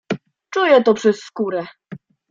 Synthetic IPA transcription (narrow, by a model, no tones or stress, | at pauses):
t͡ʂujɛt̪ɔpʂɛsːkuɾɛ